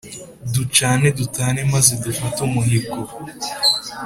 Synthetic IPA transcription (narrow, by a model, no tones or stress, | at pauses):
dut͡ʃaːne̞dutaːne̞mazedufatumuhiɡo